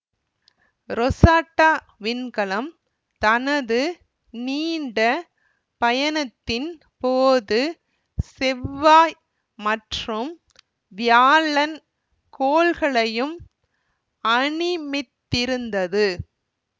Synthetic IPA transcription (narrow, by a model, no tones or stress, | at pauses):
ɾɔsaːʈːaː | ʋɪnkɐɭɐm | t̪ɐnɐðɯ | niːɳɖɐ | pɐjɐnɐt̪ːɪn | poːðɯ | sɛʋːaː | mɐʈrɯm | ʋɪjaːlɐn | koːlɣɐɭɐjɯm | ɐɳɪmɪt̪ːɪɾɯnd̪ɐðɯ